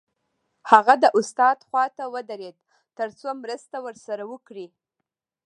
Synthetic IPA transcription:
haɣad̪əʔʊst̪ɑd̪xwɑt̪awəd̪aɾed̪̚ | t̪əɾt͡somɾəst̪awəɾsaɾawəkɽi

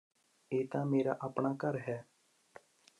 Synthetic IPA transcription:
eːt̪ãːmeːɾa̰ːʔapɳaːkəɾɦɛː

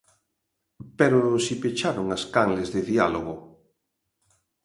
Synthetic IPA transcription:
peɾosipet͡ʃaɾoŋaskaŋlezðeðialoɣo

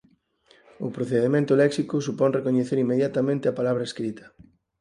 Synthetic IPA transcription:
ʊpɾoθeðemẽnt̪ʊlɛksikʊsupɔnrekoɲeθeɾimːeðjat̪amẽnt̪eapalaβ̞ɾɐeskɾit̪ɐ̥

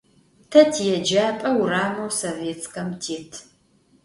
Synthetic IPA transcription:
tʰɐtʰijɛd͡ʒaːpʼɐwraːmɐwsoveːt͡skʰɐmtʰeːtʰ

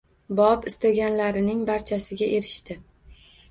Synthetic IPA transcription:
bɒpɪst̪aɡʲanlaɾɪnɪŋbaɾt͡ʃʰasɪɡʲaʔe̞ɾɪʃt̪ɪ

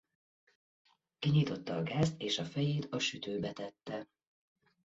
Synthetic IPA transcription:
kiɲit̪o̞t̪ːɒːɡaːst̪eːʃɒfɛjeːt̪ɒʃyt̪øːbɛt̪ɛt̪ːɛ

